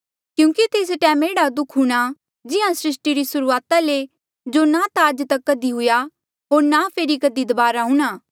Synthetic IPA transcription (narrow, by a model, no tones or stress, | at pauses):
kjũːkit̪eːs̬ʈɛːmeːɽad̪ʊkʰɦuɽ̃a | d͡ʒɪɦãsɾɪsʈiɾisʊɾuaːt̪ale | d͡ʒonat̪aːd͡ʒt̪ɐkːɐd̪iɦʊja | ɦoːɾnapʰeːɾikɐd̪id̪ɐbaːɾaɦʊ̃ːɽ̃aː